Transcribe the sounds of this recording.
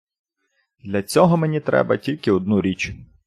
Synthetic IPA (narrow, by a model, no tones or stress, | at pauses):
d̪lʲɐt͡sʲɔɦɔmenʲit̪ɾɛ̰bɐtʲilʲkɪɔd̪̚nuɾʲit͡ʃ